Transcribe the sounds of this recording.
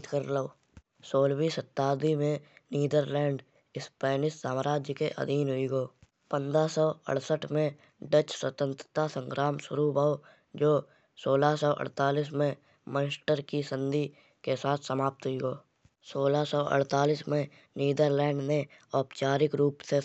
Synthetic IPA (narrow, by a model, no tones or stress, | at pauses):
t̪kəɾlao | soːlwiːsət̪ːaːd̪imẽniːd̪əɾlɛ̃ːɳɖ | ɪspɛːnɪssaːmɾaːd͡ʒjəkeʔə̰d̪ʱiːnɦʊiɡoː | pə̃nd̪ɾasɔːə̰ɽsəʈʰmẽ | ɖət͡ʃswət̪ə̃nt̪ɾət̪asə̃ŋkɾʔaːmʃʊɾubaːo | d͡ʒoː | soːlasɔːʔə̰ɽt̪aːliːs̬mẽ | mə̃nsʈəɾkisə̃nd̪ʱi | kesaːt̪ʰsəmaːp̚t̪ɦʊiɡoː | soːlasɔːʔə̰ɽt̪aːliːsmẽ | niːd̪əɾlɛ̃ːɳɖneɔːpt͡ʃaːɾɪkɾuːpse